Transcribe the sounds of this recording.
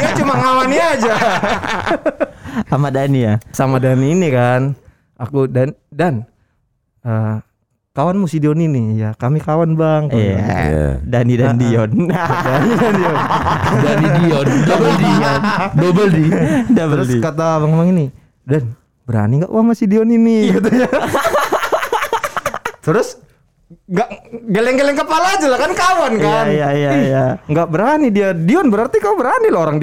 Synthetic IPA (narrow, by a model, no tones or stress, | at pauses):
jat͡ʃumaŋawaniaad͡ʒa | amadanijasamadaniːnikan | akudandan | ə | kawanmusidiɔninijakamikawanbaŋk | danidandiɔndanidandiɔndanidiɔndobəldindobəldidabəskat̪amaŋemaŋini | dan | bəɾa̰niŋɡaʔṵamasidiɔninit̪ | t̪əɾʊs | ŋɡaʔɡelɛŋɡelɛŋkəpalaːd͡ʒalahkankawankajjaijaijaŋɡaʔbəɾanidiadiɔnbəɾart̪ikaubəɾanilaoɾaŋdi